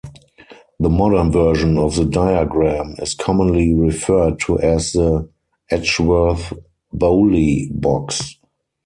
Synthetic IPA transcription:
ðəmɔɾə̃˞nvɜ˞ʒə̃nɔfðədaɪaɡɹæ̃mɪskʰɔmə̃nliɹifɜ˞d̚tʰuʔɛsðə | ʔɛt͡ʃwɜ˞θ | boʊlibɔks

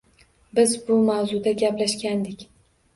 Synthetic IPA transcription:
bɪzbʊmawzud̪aɡʲaplaʃkʲand̪ɪkʲ

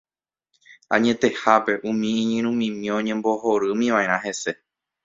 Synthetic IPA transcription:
aɲẽ̞t̪e̞hape̞ʔũmĩːɲĩɾ̃ũmĩmĩõɲẽ̞mbo̞ho̞ɾɨmĩʋaẽɾ̃ãɦe̞se̞

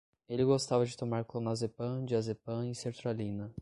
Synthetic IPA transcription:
elɪɡost̪avɐd͡ʒɪt̪omaɾklõnazepɐ̃d͡ʒɪazepɐ̃ɪseɾt̪ɾalĩnɐ

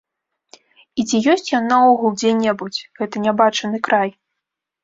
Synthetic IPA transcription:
it͡sʲijɔsʲt͡sʲjanaɔɣulˠd͡zʲɛnʲːɛbut͡sʲɣɛt̪ɐnʲabat͡ʂɐnɨkɾaj

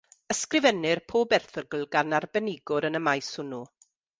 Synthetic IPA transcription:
əskrɪvɛnɪrpʰoːbɛrθəɡl̩ˠɡanarbɛnɪɡʊɾənəmajshʊnu

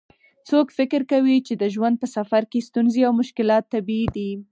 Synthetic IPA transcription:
t͡sokfɪkɪɾkawit͡ʃed̪əʒwand̪̚pəsafaɾkest̪unzeawmʊʃkɪlɑt̪ːabiid̪i

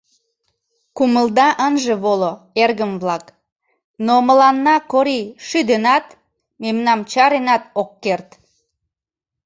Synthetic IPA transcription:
kuməld̪ɑʔənʒəβolo | erɣəmβlɑk | noməlɑnːɑkoɾiʃyd̪enɑt̪ | memnɑmt͡ɕɑɾenɑt̪okːert̪

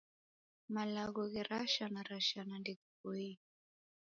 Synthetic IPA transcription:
malaɡɔɣiɾaʃanaɾaʃanandikukɔi

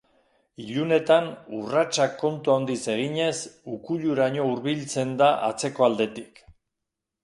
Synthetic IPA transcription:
iʎune̞t̪anurat͡ʃakːo̞nt̪uaond̪ise̞ɣ̞iɲe̞sukuʎuɾaɲo̞uɾβilt͡se̞nd̪aʔa̰t͡se̞ko̞ald̪e̞t̪ik

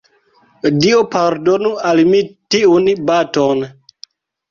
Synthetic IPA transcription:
diopaɾdonualmitiunbaton

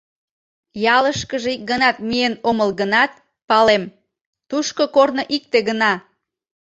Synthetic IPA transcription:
jɑləʃkəʒeik̚ɡənɑt̪̚mienoməlɣənɑt̪̚ | pɑlem | t̪uʃkokornoʔik̚t̪eɣənɑ

